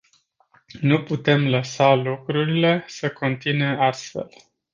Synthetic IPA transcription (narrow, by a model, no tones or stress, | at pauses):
nuput̪e̞mləsalukɾuɾile̞səkʰo̞nt̪ineast̪fe̞̰l